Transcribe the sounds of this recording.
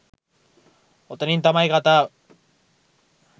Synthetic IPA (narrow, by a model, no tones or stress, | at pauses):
ot̪enint̪amajkat̪a